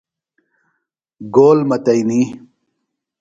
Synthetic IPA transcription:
ɡoːlmɐt̪ɐjniː

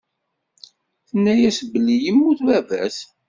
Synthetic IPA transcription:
θənːæjæsbəlːijəmːʊθwævæ̰s

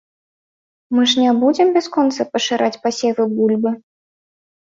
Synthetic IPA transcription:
mɨʂnʲabud͡zʲɛmbʲaskɔnt̪sɐpɐʂɨɾʔat͡sʲpasʲɛvɨbulʲbɨ

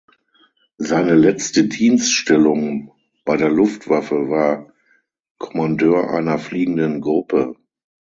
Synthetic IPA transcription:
zaɪnəlɛt͡stədiːnstʃtɛlʊŋ | b̥aɪdeːɐlʊftv̥afəvaːɐ | kʰɔ̥mandøːɐʔa̰ɪnɐfliːɡŋ̩dənɡʁʊpə

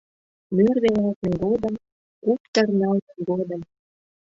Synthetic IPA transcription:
mørd̪enɑlt̪ənɡod̪ə̆m | kupt̪ə̆rnɑlt̪ə̆nɡod̪ə̆m

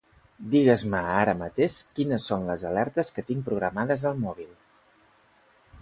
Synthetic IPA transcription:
d̪iɣ̞əzməaɾəmət̪eʃkinəsːonləzəlɛɾt̪əskət̪iŋpɾuɣɾəmaðəzəlˠmɔβ̞ilˠ

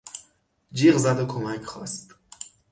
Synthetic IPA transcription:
d͡ʒiːɣzæd̪okʰomæcʰxɒ̰ːst̪

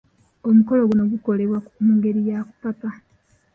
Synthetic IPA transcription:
omuko̞loɡunoɡuko̞leβwakumuːŋɡe̞ɾijaku̥pata

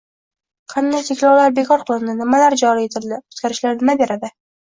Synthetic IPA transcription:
qʰɑnd̪ajt̪ʰe̞kʲlɒwlaɾbe̞kʰɒɾqʰɨlˠɪnd̪ɪnɪmalaɾd͡ʒɒɾie̞t̪ʰɪld̪ɪʊ̥t̪kʲaɾɪʃlaɾnɪmabe̞ɾad̪ɪ

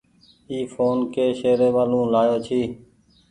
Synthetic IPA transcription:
iːfʰoːnkeːʃeːɾeːʋaːlũːlaːjoːt͡ʃʰiː

